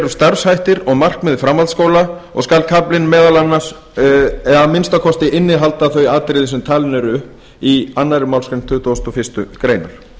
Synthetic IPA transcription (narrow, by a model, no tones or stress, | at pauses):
ɛɾʏst̪aɾ̥shajht̪ɪɾɔɣmar̥kmɛðfɾamːalt̪skoːwlaɔ̰ɣskalkʰaplɪnmɛːðalanːaɾ | ɛamɪnst̪akʰɔst̪ɪʔɪnːɪɦalt̪aθœɥaːt̪ɾɪðɪsʏmt̪ʰaːlnʏɾʏhp | ianːaɾɪmawlskaɾɪmt̪ʰʏːt̪ost̪ɔfɪst̪ʏkɾeːjnaɾ̥